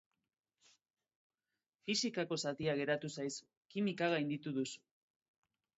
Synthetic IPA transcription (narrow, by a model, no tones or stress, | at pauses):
fisikako̞sat̪iaɣe̞ɾat̪usajsu | kimikaɣajnd̪it̪uðusu̥